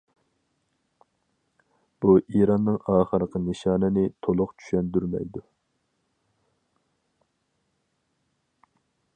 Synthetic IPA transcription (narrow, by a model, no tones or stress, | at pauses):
b̥uʔiɾɑnːɨŋɑːχəɾəqʰənɨʃɑːnɨnɪt̪ʰolˠʊqt͡ʃʰy̥ʃɛnd̪yɾmɛ̰jd̪u